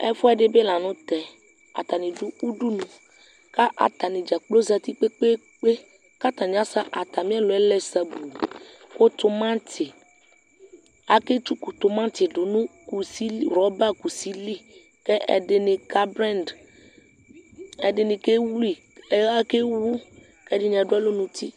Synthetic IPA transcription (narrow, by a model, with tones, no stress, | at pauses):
ɛ̰˦fɔ˦ɛ˨ɖe˦be˦la˨nũ˦t̪ɛ˨ | a̰˨t̪a˨nĩ˨ɖu˦u˦ɖu˦nũ˨ | ka˦ʔa̰˨t̪a˨nĩ˨d͡ʒa˨k͡plo˦za˨t̪i˦k͡pe˦k͡pe˦ | k͡pe˦ | ka˦t̪ã˨ɲ˦ã˦sa˦ʔa˨t̪a˨mĩ˦a˦lo˨ɛ˦lɛ˦sa˦bu˨ | ko˦t̪o˨mã˦t̪ʰi˨ | a˦ke˦t̪u˦ku˨t̪o˨mã˦t̪i˨ɖo˨nũ˦ku˨si˦li˦ɾɔ˦ba˦ku˨si˦li˦ | ke˦ɛ̰˨ɖe˨nɪ̃˨ka˦bɾɛ˦nd | ɛ˨ɖe˨nĩ˨ke˦wli˨ | e˦a˦ke˦wu˦ | kɛ˦ɖi˦ɲ̃˨a˨ɖo˦a˦lo˦nũ˨t̪ʰi˦